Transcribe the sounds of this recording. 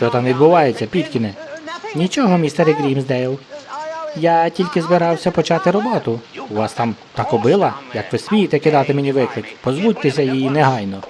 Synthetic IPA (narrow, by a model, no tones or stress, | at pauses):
t͡ʃɔt̪ɑmʋʲid̪bʊʋɑjet͡sʲːɐpʲid̪ʲkʲinɛnʲit͡ʃɔɦɔmʲist̪eɾɪɡɾʲimzd̪ɛilˠ | jɑtʲilʲkɪzbɪɾɑwsʲɐpɔt͡ʃɑt̪ɪɾɔbɔt̪ʊuʋɑst̪ɑmt̪ɑkɔbɪlˠɐjɐkʋɪsʋʲijit̪ɛkɪd̪ɑt̪ɪmenʲiʋɪklˠɪkpɔzʋudʲt̪esʲɐjinɛɦɑjnɔ